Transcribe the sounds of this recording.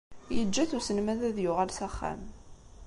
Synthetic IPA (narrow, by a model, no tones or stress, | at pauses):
jəd͡ʒːæθusənmæðæðjʊʁalsæχːæ̰m